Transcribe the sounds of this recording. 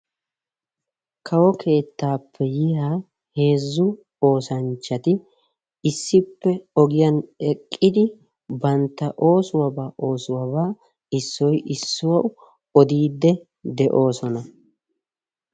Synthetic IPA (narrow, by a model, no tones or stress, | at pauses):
kʰɐwɔkʰe̞ːt̪ːaːpʰːɛjɪha | he̞ːzːʊ | o̞ːsɐnt͡ʃːɐt̪ɪ | ɪsːɪpːɛɔɡɪjɐnɛkʼːɪd̪ɪ | bɐnt̪ːɐʔo̞ːsʊwɐbaːʔo̞ːsʊwɐbaː | ɪsːɔjʔɪsːʊwɐwʊ | ɔd̪iːd̪ːɛ | d̪ɛʔo̞ːsɔnɐ